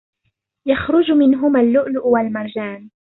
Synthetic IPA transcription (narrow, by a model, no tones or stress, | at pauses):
jaxɾʊd͡ʒmɪnɦʊmalːʊʔlʊʔwalmɑɾˤd͡ʒaːn